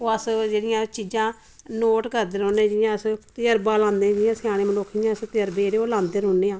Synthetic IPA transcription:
oːəsd͡ʒeːɽɪjãːt͡ʃiːd͡ʒãː | noːʈkəɾd̪eːɾoːnẽːd͡ʒɪjãːəst̪ɪjəɾbaːlãːnd̪ẽːd͡ʒɪãːsɪjaːɽ̃ẽːmənoːkʰːd͡ʒãːəst̪ɪjəɾbeːɾeoːlãːnd̪eːɾoːnːeːãː

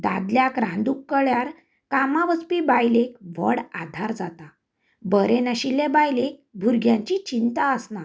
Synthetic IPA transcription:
d̪a̰d̪ljakɾãnd̪ukːəɭjaɾ | kamaʋət͡spibajlekʋə̰ɽa̰d̪ʱaɾd͡zat̪a | bəɾenəɕilebajlek̚bʱuɾɡjãɲt͡ɕit͡ɕint̪aəsna

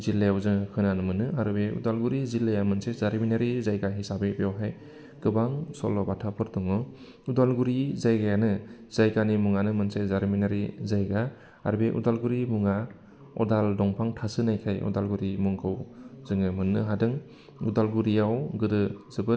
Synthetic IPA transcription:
zilːajawzɯŋkʰɯnanɯmɯnɯaɾɯbeṵdalɡuɾizilːajamɯnsezaɾminaɾizajɡaɦisabebjawɦaj | ɡ̥ɯbaŋsɔ̰lːɔbatʰapʰɯɾdɔŋɯ | udalɡuɾizajɡajanɯz̥ajɡanimuŋanɯmɯnsezaɾminaɾizajɡa | a̰ɾbeʔṵdalɡuɾimuŋa | ɔ̰daldɔŋpʰaŋtʰasɯnajkʰajʔɔ̰dalɡuɾimuŋkʰɯwzɯŋɯmɯnːɯɦadɯŋ | udalɡuɾijawɡɯdɯzɯbɯ

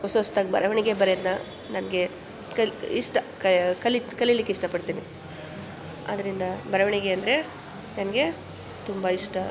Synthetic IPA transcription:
osost̪aɡbɐ̰ɾɐʋɐɳiɡe̞bɐɾed̪nɐ | nɐnɐɡe | kɐiʂʈɐkɐkɐlikɐlijlikːeiʂʈɐpɐɽt̪iːni | ɐ̰d̪ɐɾind̪ɐbɐɾɐʋɐɳiɡe̞ɐnd̪ɐɾe̞ | nɐnɐɡe̞ | t̪umbɐiʂʈɐ

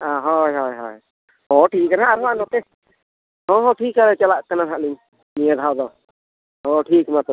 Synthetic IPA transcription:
aɦɔjɦɔjɦɔj | hɔʈʰik̚kːanɦaʔaɾɔanɔt̪ɛ | hɔ̃ɦɔ̃ʈʰikːaɾɛt͡ʃalaʔkananɦaʔliɲ | mijəd̪ʱawd̪ɔ | hɔʈʰikmat̪ɔ

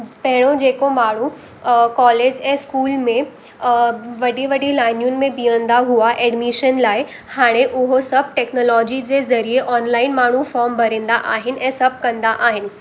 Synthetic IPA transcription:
pɐɦɪɽ̃od͡ʑeːkomaːɽ̤u | kɔːleːd͡ʑɛ̃ːskuːlmẽ | ʋɐɖʱiʋɐɖilaːɪnjʊnɪ̆mẽbiə̃nd̪aɦuaʔɛːɖmiʃənlaːɪ | haːɽ̃eʔʊɦosɐb̚ʱʈɛːknoːlɔːd͡ʑid͡ʑeːzɐɾieʔɔːnlaːɪnmaːɳ̤̃ufɔːɾmbʱɐɾẽːn̆d̪aʔaːɦɪnɪ̆ʔɛ̃ːsɐb̚ʱkɐ̃nd̪aʔaːɦɪnɪ̆

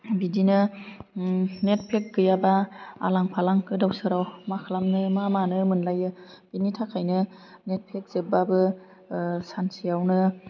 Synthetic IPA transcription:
bidinɯ | net̚pʰek̚ɡɯjabaa̰laŋpʰalaŋkɯdawsɯɾawmakʰalamnɯmamanɯmɯnlajɯb̥initʰakʰajnɯnet̚pʰek̚z̥ebabɯ | sansijawnɯ

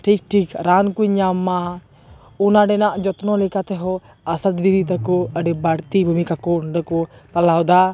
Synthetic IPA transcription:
ʈʰik̚ʈʰikɾaːnkuiɲamːa | ʊnaɖɛnaʔd͡ʒɔt̪nɔ̃lekat̪ɛɦɔ | ɐsət̪b̪id̪it̪əkɔəɖebəɽt̪ibʱumikakɔnɖəkɔt̪əlaːwd̪a

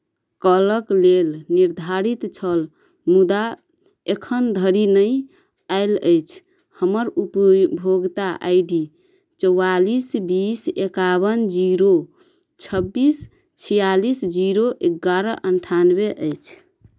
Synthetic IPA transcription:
kələklelniɾd̪ʱaɾit̪t͡ʃʰəl | mud̪a | ekʰənd̪ʱəɾinəj | aɪləjt͡ʃʰ | həməɾupbʱoɡt̪aʔa̰ɪɖi | t͡ʃəwalisbisekaβənd͡ʒiɾo | t͡ʃʰəbːis | t͡ʃʰijalisd͡ʒiɾoʔeɡːaɾəʔənʈʰanbeʔəjt͡ʃʰ

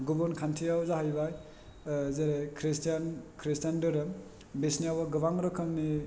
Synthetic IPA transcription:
ɡubɔnkʰantʰijawzaɦajbaj | zeɾekʰɾistijankʰɾistandɯɾɯ | besnijawbaɡɯbaŋɾɔkʰɯŋni

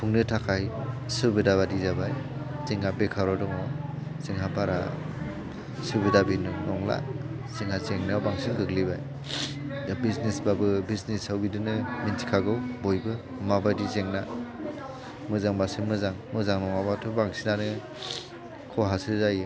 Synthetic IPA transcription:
pʰuŋnɯtʰakʰajsɯbidaβadizabajzeŋabekʰaɾɔdɔŋɔsiŋɦapʰaɾa̰ | sɯbidabinɯnɔŋla̰ | siŋhazeŋnɯbaŋsiŋɡɯklibaj | abisnesbabɯbiznishawbidɯnɯmintʰi̥kʰaɡɯwbojbɯ | mabajdizeŋna | mɯzaŋbasinmɯzaŋmɯzaŋnɔŋabatʰɔbaŋsinanɯ | kʰɔɦasɯzajɯ

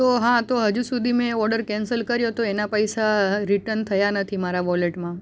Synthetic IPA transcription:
t̪oɦãt̪oɦəd͡ʒusud̪ʱimẽɔɾɖəɾkɛ̃nsəlkəɾjot̪oenapəjsaɾiʈənt̪ʰəjanət̪ʰimaɾaʋɔleʈmã

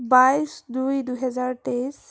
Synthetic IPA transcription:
bajsdujduɦɛzaɹtes

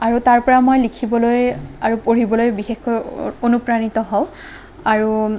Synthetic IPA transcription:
aɹutaɹpɔɹamojlikʰibɔlojaɹupoɹibɔlojbixexkɔjonupɹanitɔɦɔw̃ | aɹu

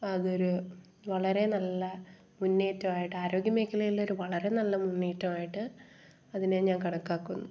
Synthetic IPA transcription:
ɐðo̞ɾu | ʋɐɭɐɾe̞nɐlːɐ | munːeːtːɐmaːjiʈːɨaːɾo̞ːɡjɐmejkːɐlɐjilːo̞ɾuʋɐɭɐɾe̞nɐlːɐmunːeːtːɐmaːjiʈːɨ | ɐðineɲaːnkɐɽɐkːaːkːunːu

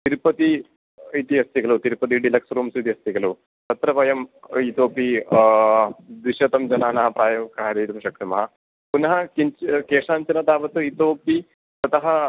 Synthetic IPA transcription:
t̪iɾpɐt̪i | it̪iɐst̪ikɐlut̪iɾpɐt̪̬iɖilɐksɾuːmsut̪iɐst̪ikɐlu | t̪ɐt̪ɾɐpɐjɐmit̪oːpi | d̪iʃɐt̪ɐmd͡ʒɐnaːnɐɦɐpɾaːjɐʋkaɦɾiːt̪ɐmʃɐk̚t̪ɐmɐɦɐ | punɦɐkint͡ʃkeːʂaːnt͡ʃɐnɐt̪aːʋɐt̪ɨit̪oːpi | sɐt̪ɐɦɐ

